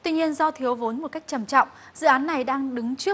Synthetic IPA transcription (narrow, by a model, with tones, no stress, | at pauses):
t̪wi˧ɲi˧ənzɔ˧t̪ʰi˨˦əwvo˨˦nmo˨˩ka˦˥jk̟̚t͡ɕə˧˩mt͡ɕɔ̰˧˨wŋ͡m | zɨ̰˧˨ʔaː˨˦nːa˨˩jɗaː˧ŋɗɨ˨˦ŋt͡ɕɨ˦˥